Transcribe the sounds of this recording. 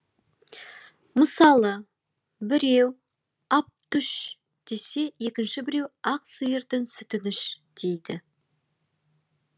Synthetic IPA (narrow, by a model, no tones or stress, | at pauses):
məsɑlˠə | bɪɾe̞w | ɑp̚t̪ʏʃ | d̪̥e̞se̞e̞kʲɪnʃɪbɪɾe̞wɑqsɨjəɾd̪ɪnsʏt̪ɪnɪʃd̪̥e̞jd̪ɪ